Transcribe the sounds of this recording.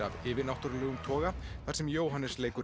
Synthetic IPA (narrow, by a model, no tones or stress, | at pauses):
a̰vɪːvɪnawht̪ʏɾlɛːɣʏmt̪ʰɔːɣaθaɾsɛmjoːwɦanːɪsleːjkʏ